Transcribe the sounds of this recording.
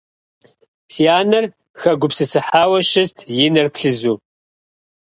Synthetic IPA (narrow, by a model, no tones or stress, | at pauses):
siaːnɐr | xɐɡʷʊpsɨsɨħaːwɐʃɪstʰjɪnɐrpɬɨzuː